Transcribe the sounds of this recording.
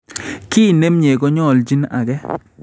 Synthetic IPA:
ki˦˨ne˦mɲe˨ɡo˦ɲɔ˦˨ld͡ʒi˦na̰˨ɡɛ˦

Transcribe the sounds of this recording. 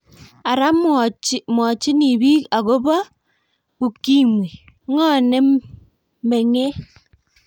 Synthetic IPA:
a˨ɾa˦m˦m˨ɔ˨t͡ʃɪ˦ni˨bi˦ka˨ɡo˦ba˦ | ku˨ki˦mwe˨˦ | ŋɔ˦˨nɛ˦ | me˨ŋe˦

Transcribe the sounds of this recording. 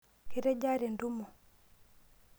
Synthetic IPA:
ki˦ɾe˦ɟa˦ɾe˨ndu˦mɔ˨

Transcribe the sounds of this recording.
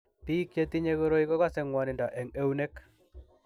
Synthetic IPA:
pi˦kje˦t̪i˦ɲe˦ɣo˦ɾo˦i˦kɔ˦ka˦se˦ŋwa˨nɪ˨nda˨ʔɛ˨ŋe˦u˦ne˦k

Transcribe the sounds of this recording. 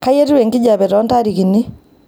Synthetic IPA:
ka˦je˦twe˨ŋɡɪ˦d͡ʒa˨bɛ˨tɔ˨˦nta˦ɾi˨ki˨ni˦

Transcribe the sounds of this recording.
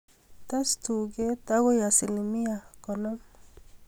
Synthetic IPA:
t̪a˦st̪u˨ɡe˦t̪a˦ɡo˦ja˨si˨li˨mi˦ja˨kɔ˨nɔ˦m

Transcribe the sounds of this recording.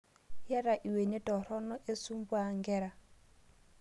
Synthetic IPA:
jɛ˦ɾa˨ʔi˨we˨nɛ˦tʼɔ˨ɾɔ˦nɔ˦ʔe˦su˦m˦bu˦a˦˨ŋɡɛː˦ɾa˨

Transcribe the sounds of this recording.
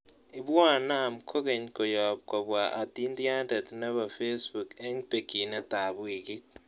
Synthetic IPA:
i˨βa˦˨na˦˨mkʰo˦ɣe˨ɲko˨jɔ˨p̚ko˨βwa˨ʔa˨ti˦ndi˦a˦nde˨tne˦βa˨fe˦sbu˨ke˦ŋpe˨ki˨ne˦ta˨βwi˨ɡi˦t̚

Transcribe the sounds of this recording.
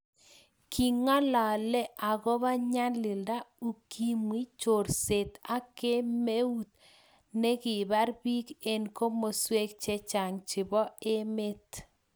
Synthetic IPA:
kʰi˨ŋa˦la˨lɛ˦ʔa˨ɣɔ˦βa˦ɲa˦nlɪ˨lda˦u˨kʰi˦mwi˦t͡ʃo˨ɾse˨t̪a˦ke˦me˦u˦t̪̚ | ne˦kɪ˨βa˦ɾbi˦ke˨nko˦mo˨swe˦k̚t͡ʃɛ˦t͡ʃa˨ŋt͡ʃɪ˨βɔ˦e˦me˦t

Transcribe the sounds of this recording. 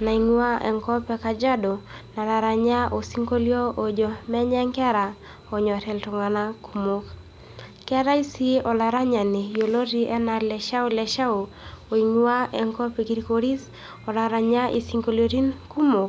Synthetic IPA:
na˨iŋwa˦ʔɛ̰˨ŋkɔ˦pɛ˦ka˨d͡ʒa˦dɔ˨na˨la˨ɾa˨ɲa˦ʔo˨si˦ŋko˦ljo˦o˨d͡ʒo˨mɛ˦ɲɛ˦ŋkɛ˦ɾa˨ | ɔ˨ɲɔ˨tɛ˨ltɔ˨ŋa˨na˦kʰu˨mo˨k | kɛ˦ɾa˦i˦si˦ɔ˨la˨ɾa˦ɲa˨ni˨jo˨lo˦ɾi˦ʔɛ˦na˨lɛ˨ʃa˦u˦lɛ˨ʃa˦o˨ | o˨iŋu˦a˦ɛ˨ŋkɔ˦pi˨ki˦ɾi˦ko˦ɾi˦s | ɔ˨la˨ɾa˨ɲa˦ʔḭ˨siŋko˦ljoɾi˦nku˦mo˨k

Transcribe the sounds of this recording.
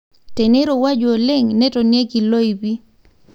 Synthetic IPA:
te˨ne˦ɾo˨wa˦d͡ʒo˨o˨le˦ŋnɛ˦tɔ˨nje˦ɡi˨lo˦i˨bi˦

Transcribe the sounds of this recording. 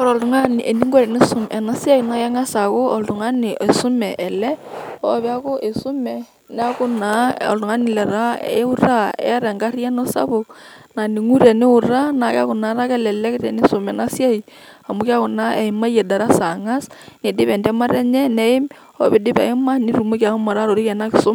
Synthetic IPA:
kɔ˦ɾɔ˨ltʊ˨ŋa˦n˨ɛ˨ni˦ŋɡɔ˦ɾɛ˨nɪ˦sʊ˦mɛ˨na˦sja˦i˨na˦ja˦ŋa˦sa˨ko˦ɔ˨ltʊ˨ŋa˦nɪ˨e˨sʊ˦mɛ˨ʔɛ˨lɛ˦ɔ˦βɛ˦a˦ko˦ʔe˨sʊ˦mɛ˨ | nɪ˦a˦kʊ˦na˨˦ɔ̰˨ltʊ˨ŋa˦nɪ˨lɛ˨ɾa̰˦˨˦ʊ˦ra˦ɛ̰˦ɾɛ˨ŋɡa˦ɾi˦ɛ˦nɔ˦sa̰˦βʊ˨na˨nɪ˨ŋu˦ɾɛ˨nɪ˦ʊ˨ɾa˦na˨ka˦kʊ˨na˨˦ɾa˦kɛ˦lɛ˨lɛ˦ke˦tɛ˨nɪ˦so˨mɛ˨na˦sja˦i˨ | a˨mʊ˨˦ka˦ko˨na˦ɛ˨ɪ˦ma˦je˨da˨ɾa˦sa˨ŋa˦sne˨dɪ˦βɛ˨ndɛ˦ma˦ɾɛ˦ɲɛ˦nɛ˦ɪ˦m | ɔ̰˦βe˦dɪ˦pa̰˨ɪ˦ma˦nɪ˦ɾu˨mo˦kja˨ko˦ma˨ɾa˦ɾo˨ɾi˦kɛ˨na˦kɪ˨sʊ˦m

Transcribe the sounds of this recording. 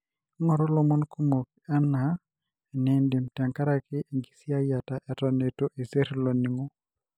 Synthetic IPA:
ŋɔ˨ɾɔ˦lɔ˨mɔ˦nku˦mo˨k | ɛ˦na˨ | nɪ˨ndɪ˨mtɛ˨ŋka˦ɾa˦kɪ˦ʔi˨ŋɡi˨sja˦ja˨ta˨ʔɛ˨tɔ˨ne˨to˦ʔi˨se˦ɾlo˨ni˨ŋo˦

